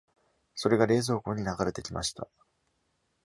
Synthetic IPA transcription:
so̞ɾe̞ɡaɾe̞ːzo̞ːko̞ːɲ̟inaɡaɾe̞t̪e̞kʲima̰ɕi̥t̪a̰

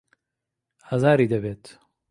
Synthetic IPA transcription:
azaːɾiːd̪ɐbeːt̪

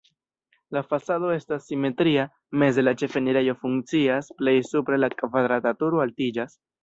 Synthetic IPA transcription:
lafasado̞e̞stasːime̞tɾia | me̞s̬de̞lat͡ʃe̞fe̞niɾe̞jo̞fuŋkt͡siasple̞jsupɾe̞lakvad̪ɾatatuɾoaltid͡ʒas

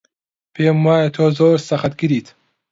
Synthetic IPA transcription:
pʰeːmwaːjɐt̪ʰoːzoːɾsɐχɐt̪̚ɡiɾiːt̪

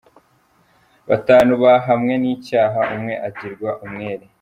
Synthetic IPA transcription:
βataːnuβaɦamŋe̞niːcaːɦaʔumŋe̞ʔaɟiɾɡwaʔumŋeːɾi

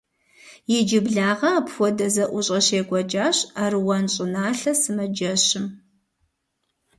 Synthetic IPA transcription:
jɛd͡ʒɪbɮaːʁɐpxʷɔdɐzɐʔʷʊɕʼɐɕeːɡʷɐd͡ʒaːɕaːrɨwɐnɕʼɪnaːɬɐsɨmɐd͡ʒɐɕɪm

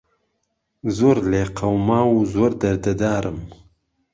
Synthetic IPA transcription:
zoɾleqawmɑːwuzoɾd̪ɐɾd̪ad̪aːɾʔəm

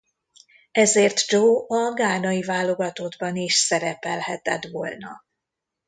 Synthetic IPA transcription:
ɛzeːrt̪d͡ʒoːɒɡaːnɒivaːlo̞ɡɒt̪od̪bɒniʃsɛɾɛpɛlhɛt̪ɛt̪ʋoːlnɒ

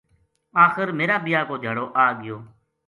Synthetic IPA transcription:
aːxəɾmeːɾaːɓɪjaːkoːd͡ʒʱəɽoːʔaːɠɪjoː

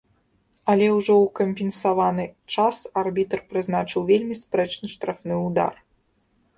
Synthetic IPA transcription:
ɐlʲɛwʐɔwkɐmʲpʲɛnsavanɨt͡ʂasarbʲit̪rpɾɨznat͡ʂɨwvʲelʲmʲispɾɛt͡ʂnɨʂt̪ɾafnɨud̪a̰r

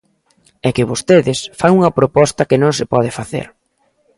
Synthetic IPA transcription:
ɛkɪβost̪eðɪsfaŋuŋɐpɾopɔst̪ɐkɪnõŋsɪpɔð̞ɪfaθḛɾ

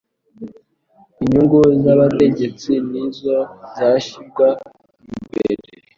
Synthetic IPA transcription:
iɲuŋɡuzaβate̞ɟe̞t͡sinizozaʃibɡwa | imbḛɾe

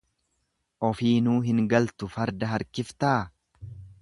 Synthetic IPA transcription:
ʔɔfiːnuːɦɪŋɡɐlt̪ʊfɐɾd̪ɐɦɐɾkɪft̪aː

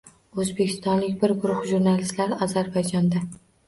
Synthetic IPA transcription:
ɵzbekʲʰɪ̥st̪ɒnlɪkʲbɪɾɡʊɾʊχʒuɾnalɪst̪laɾɪɒzaɾbajd͡ʒɒnd̪a

